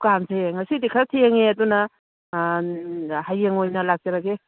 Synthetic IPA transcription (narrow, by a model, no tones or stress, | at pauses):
kamseŋɐsidikʰɾatʰeŋeɐdunɐ | hajeŋojnɐlak̚t͡ʃaɾaɡe